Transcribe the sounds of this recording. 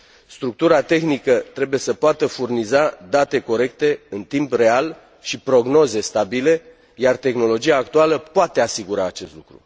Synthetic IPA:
st̪ɾuk̚t̪uɾat̪e̞xnikət̪ɾe̞buje̞səpoat̪əfurnizad̪at̪e̞ko̞ɾe̞k̚t̪e̞ɨnt̪impre̞al | ʃipɾo̞ɡno̞ze̞st̪abile̞ | jart̪e̞xno̞lo̞d͡ʒiaːk̚t̪ualəpoat̪e̞asiɡuɾaːt͡ʃe̞st̪lukɾṵ

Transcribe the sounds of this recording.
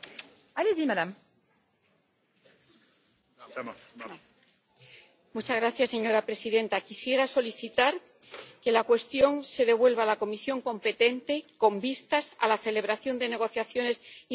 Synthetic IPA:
alezimadam | mut͡ʃazɣɾaθjasːe̞ɲo̞ɾapɾe̞siðe̞nt̪akisje̞ɾaso̞liθit̪aɾ | ke̞lakwe̞st̪jo̞ŋse̞ðe̞β̞we̞lβalako̞misjo̞ŋko̞mpe̞t̪e̞nt̪e̞ko̞mbist̪asa̰laθe̞le̞β̞ɾaθjo̞nd̪e̞ne̞ɣ̞o̞θjaθjo̞ne̞si

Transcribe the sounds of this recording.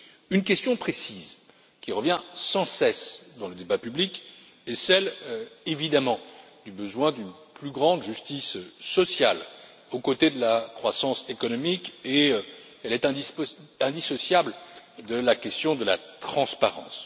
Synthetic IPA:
ynk̬ʲɛst̪jɔ̃pχesiz | kʲiʁəvjɛ̃sɑ̃sɛsd̪ɑ̃ləd̪ebapyblik | ɛsɛlevid̪amɑ̃d̪ybəzwɛ̃d̪yn | plyɡʁɑ̃d̪ʒyst̪isːɔsjal | okot̪ed̪əlakχwasɑ̃sekɔnɔmike | ɛlɛt̪ɛ̃d̪iɛ̃d̪isɔsjabld̪əlakʲɛst̪jɔ̃d̪əlat̪χɑ̃spaʁɑ̰̃s

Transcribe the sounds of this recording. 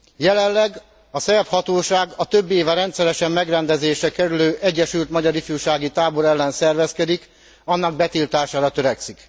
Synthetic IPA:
jɛlɛlːɛɡ | ɒsɛfhɒt̪oːʃaːɡɒt̪øbːeːvɛɾɛnt̪sɛɾɛʃɛmːɛɡrɛnd̪ɛzeːʃɛkɛɾyløːʔɛɟːɛʃylt̪mɒɟɒɾifjuʃaːɡit̪aːbo̞ɾɛlːɛnsɛrvɛskɛd̪ik | ɒnːɒɡ̚bɛt̪ilt̪aːʃaːɾɒt̪ø̞ɾɛksik

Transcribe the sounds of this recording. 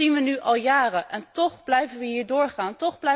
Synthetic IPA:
inʋənyʔɑlˠjaːrənʔɛntɔχblɛjvənʋəɦiːɹdʊːɹχaːntɔχblɛ

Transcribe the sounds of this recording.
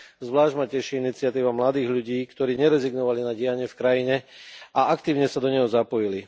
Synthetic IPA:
zʋlaːʒmacɛʃiinit͡sɪat̪iːʋamlad̪iːɣʎuɟiːkt̪ɔɾiːɲɛɾɛziɡnɔʋalinaɟɪaɲɪɛfkɾajiɲɛaʔakt̪iːʊɲɛsad̪ɔɲɛɦɔzapɔjili

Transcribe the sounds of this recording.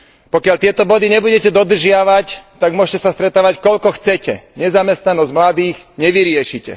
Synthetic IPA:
pɔkɪaʎt̪ɪɛt̪ɔbɔd̪iɲɛbuɟɛcɛd̪ɔd̪r̩ʒɪaʋact̪aɡmʊɔʃcɛsast̪ɾɛt̪aːʋackɔʎkɔxt͡sɛcɛ̰ɲɛzamɛst̪nanɔzɟmlad̪iːɣɲɛʋiɾɪɛʃicɛ̰

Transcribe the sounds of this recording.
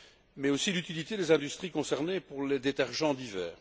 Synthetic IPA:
mɛosilyt̪ilit̪ed̪ezɛ̃d̪yst̪χikɔ̃sɛʁnepuʁled̪et̪ɛʁʒɑ̃d̪ivɛːʁ

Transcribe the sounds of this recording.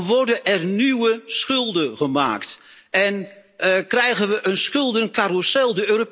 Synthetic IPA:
ʋɔɹdəɛrnywəsχʏlˠdəɣəma̰ːkt | ɛn | krɛjɣənʋəʔənsχɵlˠdənkarusɛlˠdəøːrop

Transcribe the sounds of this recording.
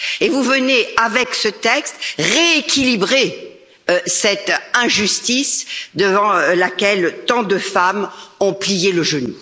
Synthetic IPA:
evuvəneavɛksət̪ɛkst̪ʁeːkʲʰilibʁe | øsɛt̪ɛ̃ʒyst̪isd̪əvɑ̃lakʲɛlt̪ɑ̃d̪əfamɔ̃plijeləʒənu

